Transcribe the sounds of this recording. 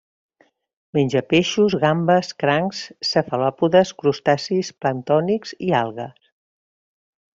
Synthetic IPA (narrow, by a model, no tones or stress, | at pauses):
meɲʲd͡ʒəpeʃuzɣambəskɾaŋsːəfəlɔpuðəskɾust̪asisplənt̪ɔnikzialˠɣəs